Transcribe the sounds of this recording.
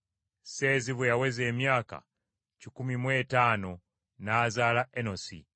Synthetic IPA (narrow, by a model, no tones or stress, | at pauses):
se̞ːziβujawe̞ze̞ːmjaːka̰ | cikumimwe̞ːtaːno | naːzaːlaʔeno̞sḭ